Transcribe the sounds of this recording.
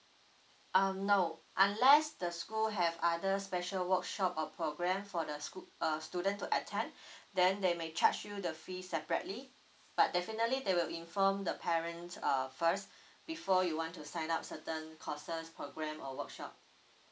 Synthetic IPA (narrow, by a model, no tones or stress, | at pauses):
ʔanoʊʔãnlɛsdəskulɦɛvadəspɛʃəlwəkʃɔpɔpʰɹoɡɹɛ̃mfɔdəʌstudə̃ntːuʔətʰɛ̃ndɛ̃ndemet͡ʃʰat͡ʃjudəfisɛpəɹətli | b̥at̚dɛfinətlidewilĩnfɔ̃mdəpʰɛɹə̃nsʌfəs | b̥ifɔjuwɔ̃ntːusãɪ̃nap̚sətə̃nkʰɔsəspʰɹoɡɹɛ̃mɔwəkʃɔp̚